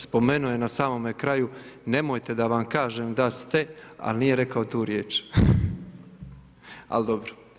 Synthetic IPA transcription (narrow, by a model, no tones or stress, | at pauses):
spo̞me̞nuje̞nasaːmo̞mekɾaju | ne̞mo̞jt̪e̞d̪aʋamkaːʒeːmd̪ast̪e̞a̰lniːje̞ɾe̞kaot̪uːɾjeːt͡ʃ | a̰ld̪obɾo